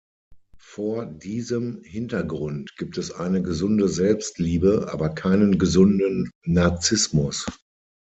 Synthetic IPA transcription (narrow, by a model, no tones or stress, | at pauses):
foːɐdiːzəmhɪntɐɡʁʊntɡ̥iːp̚tɛsʔa̰ɪnəɡəzʊndəzɛlpstliːbəʔa̰ːbɐkʰaɪnənɡəzʊndənːaɐt͡sɪsmʊs